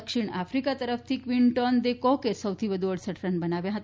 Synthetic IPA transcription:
kʂiɳafɾikat̪əɾəft̪ʰiːkʋiɳʈɔnd̪ekɔkesəwt̪ʰiʋəd̪ʋəɽsəʈʰɾənbənaʋjẽɦa

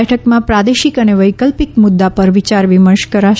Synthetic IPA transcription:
ɛʈʰəkmãpɾad̪eʃikəneʋəjkəlpikmʊd̪ːapəɾʋit͡ʃaɾʋiməɾʃkəɾaʃ

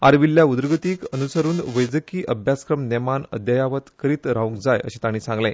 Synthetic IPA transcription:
aɾʋilːjaud̪ɾɡət̪iːkənusəɾuːnʋəjd͡zəkiːʔəbʱjaskɾəmnemanə̰d̪jajaʋət̪kəɾiːt̪ɾaũkd͡zajə̰ɕĩt̪aɽ̃iːsãŋɡlẽ

